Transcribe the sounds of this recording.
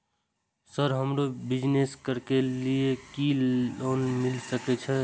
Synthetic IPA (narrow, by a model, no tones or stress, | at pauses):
səɾɦəmɾobɪd͡ʒneskəɾkeliekioːnmɪlsəkɛt͡ʃʰɛ